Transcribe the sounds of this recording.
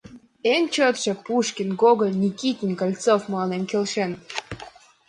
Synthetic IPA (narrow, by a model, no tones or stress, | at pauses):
enʲt͡ɕot̪ʃɤ̆puʃkʲinɡoɣəlʲnʲikit̪ʲinkɑlʲt͡sofmlɑnemkelʃen